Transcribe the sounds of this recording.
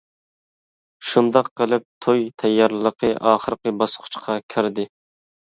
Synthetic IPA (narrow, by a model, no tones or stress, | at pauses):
ʃund̪ɑqːəlˠɪp̚t̪ʰojt̪ʰɛjːɑɾlɨlˠəqʰəʔɑːχəɾqəbɑsqʰʊ̥t͡ʃqʰɑkʲʰyɾd̪ɪ